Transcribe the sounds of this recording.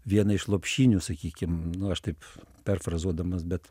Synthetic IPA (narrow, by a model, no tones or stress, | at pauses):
ʋʲiɛnɐɪʃlˠoːpʲʃʲiːnʲuːsɐkʲiːkʲɪmnʊɐʃt̪ɐɪppʲɛrfrɐzuɔd̪ɐmɐsbʲɛt̪